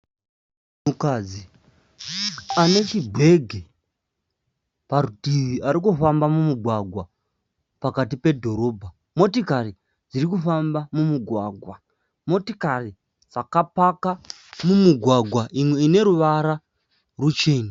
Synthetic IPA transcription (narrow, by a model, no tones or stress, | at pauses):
mukaːd͡zi | ane̞t͡ʃibʱwe̞ɡʱe | paɾudʱiʋiaɾikufambamumuɡʱwaɡʱwa | pakatipe̞dʱo̞ɾo̞ːbʱa | mo̞tikari | d͡ziɾikufambamumuɡʱwaːɡʱwa | mo̞tikari | d͡zakapaka | mumuɡʱwaɡʱwaʔimwe̞ine̞ɾuʋaɾa | rut͡ʃe̞ːni